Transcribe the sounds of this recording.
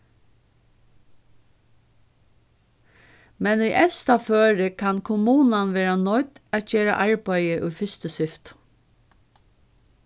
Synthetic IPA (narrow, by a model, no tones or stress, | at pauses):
mɛnujʔɛst̪aføːɾɪkʰankʰʊmuːnanʋeːɾanɔʏt̪æt̪d͡ʒeːɾa̰ʔaɹpɛjəʔʉjfɪst̪əsɪft̪